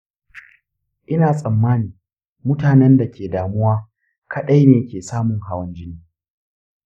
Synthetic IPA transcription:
ʔɪ˦naː˨sʼɐ˨mːaː˦niː˨ | mʊ˦taː˨nɛ˦nda˨kʲʰeː˨daː˨mʊ˦waː˦ | kʰɐ˦ɗa˦jneː˨jkʲʰeː˨saː˦mʊ˨ŋɦa˦wɐ˦nd͡ʒɪ˦niː˨˦

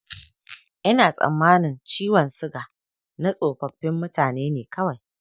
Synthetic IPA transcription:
ʔɪ˦naː˨sʼɐ̰˨mːaː˦nɪ˨nt͡ʃiː˦wɐ˨nsʊ˦ɡaː˨ | na˦sʼoː˨ɸɐ˨ɸːɪ˦mːʊ˦taː˨neː˦neː˨kɐ˦wa˨j

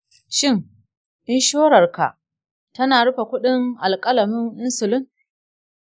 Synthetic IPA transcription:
ʃɪ˦˨ŋ | ʔɪ˦nʃoː˦ɽɐ˨rka̰˨ʔ | tɐ˦naː˨ɽʊ˦ɸa˨kʷʊ˦ɗɪ˦ŋʔa˨lkʼɐ˦lɐ˨mɪ˦ŋʔɪ˦nsʊ˨lɪ˦ŋ

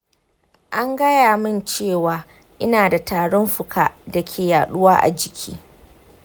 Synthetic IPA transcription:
ʔa˦ŋɡɐ˦jaː˨mɪ˦nt͡ʃeː˦˨waː˨ | ʔɪ˦naː˨da˨taː˨ɽɔ˦mɸʊ˨kʰaː˦dɐ˨kʲʰeː˨jaː˨ɗʊ˦waː˦ʔa̰˨d͡ʒɪ˨kʲʰḭː˦

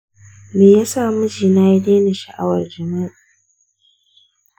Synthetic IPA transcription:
meː˨ja˦saː˦˨mʊ˦d͡ʒiː˨naː˦ji˦deː˦na˨ʃa˨ʔa̰˦wɐ˨rd͡ʒɐ˨ma˦˨

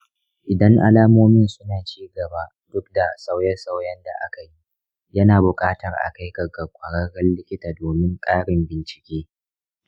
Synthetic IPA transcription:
ʔɪ˨dɐ˦ŋʔa˨laː˦moː˦mi˦nsʊ˦naː˨t͡ʃiː˦ɡɐ˨ba˦ | dʊ˦k̚da˨sa˦wjɐ˦sa˦wjɐ˦nda̰˨ʔa̰˦ka˨ji˦ | jɐ˦naː˨bʊ˨kʼaː˦tɐ˨rʔa̰˨ka˦jɡɐ˨ɡɐ˨kʷʼɐ˨ɽɐ˦ɽɐ˦nlɪ˦kʲɪ˦taː˨doː˨mɪ˦ŋkʼaː˦ɽɪ˨mbɪ˨nt͡ʃɪ̥˨kʲeː˦

